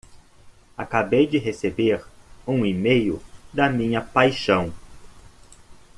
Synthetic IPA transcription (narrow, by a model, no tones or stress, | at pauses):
a̰kabejd͡ʒɪɦesebeɾũimejʊ̰d̪ɐmĩɲɐpajʃɐ̃w̃